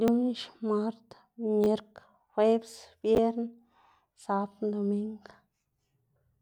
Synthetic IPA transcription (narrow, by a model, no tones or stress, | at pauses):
d̪unʃmaɾt̪ | meɾk | websbjeɾn | saːpd̪omiŋɡ